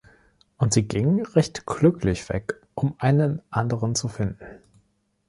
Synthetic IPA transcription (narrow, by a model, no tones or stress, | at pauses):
ʔʊntz̥iːɡɪŋəʁɛçtɡ̥lʏkʰlɪçv̥ɛ̰k | ʔʊmʔaɪnənʔandəʁənt͡sufɪndn̩